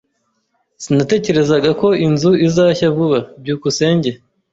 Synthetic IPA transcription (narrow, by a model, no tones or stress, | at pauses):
sinate̞ːce̞ɾe̞zaɡako̞inzuizaːçavuβab̚ɟuːkuse̞ːɲɟe